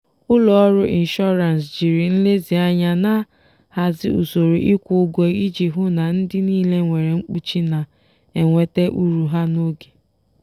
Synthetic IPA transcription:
ʊ˦lɔ˨ɔ˦ɾʊ˦ʔi˨n̩˨ʃɔ˦ɾa˨nsd͡ʒi˨ɾi˨n̩˦le˦zi˨a˦ɲa˦na˦ | ha˨zɪ˦ṵ˨so˨ɾo˨ʔi˦kʷʊ˦ɡʷe˨i˦d͡ʒi˨ɦʊ˦na˨n̩˦dɪ˦niː˦le˦ŋʷe˨ɾe˨ŋ͡m̩˦k͡pu˦t͡ʃi˦na˨ | e˨ŋʷe˨te˦ʔu˦ɾu˨ɦa˦no˦ɡe̥˨

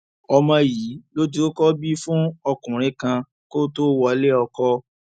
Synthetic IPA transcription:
ɔ˧mã˧jiː˨˦lo˦di˦o˦kɔ˦bi˦fũ˦ɔ˧kũ˨ɾ̃ĩ˧˦kã˧ | ko˦to˦wɔ˧˦le˦ɔ˧kɔ˧

